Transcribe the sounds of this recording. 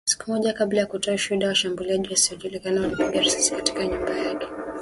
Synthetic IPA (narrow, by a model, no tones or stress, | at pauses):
si̥kumɔʄakablajakutɔaʃuɗawaʃambuliaʄiwasiɔʄulikanawanapuɡiaɾasasi̥kati̥kaɲumbajakɛ̥